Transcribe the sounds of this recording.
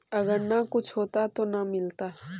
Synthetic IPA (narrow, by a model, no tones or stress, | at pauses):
ɐɡəɾnakʊt͡ʃʰɦoːt̪at̪onamɪlt̪aː